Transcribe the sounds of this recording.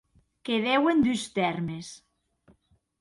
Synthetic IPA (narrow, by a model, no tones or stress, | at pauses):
keðewend̪yst̪ɛɾmes